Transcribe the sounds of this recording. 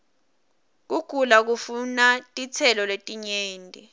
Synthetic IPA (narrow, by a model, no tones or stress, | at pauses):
k̬uɡ̥ʱulak̬ufunatʼit͡sʰɛlɔletʼiɲeːndʼʱi